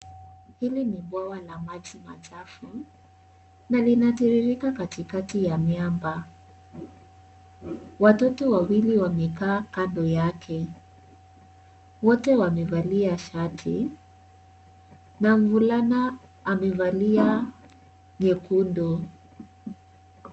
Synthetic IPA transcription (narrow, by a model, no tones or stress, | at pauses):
hilinibwawalamat͡ʃima̰t͡ʃafu | nalinatiɾiɾikakatikatijamjamba | watɔtɔwawiliwamɛkaːkandɔjakʰɛ | wɔtɛwamɛvaliaʃatʰi | naɱvulanaː | mɛvalia | ɲɛkundɔ